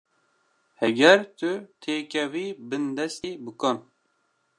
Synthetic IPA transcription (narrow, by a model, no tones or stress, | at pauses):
hɛɡɛɾt̪ɨt̪ʰeːkʲɛwiːbɨnd̪ɛst̪iːbɨkɔn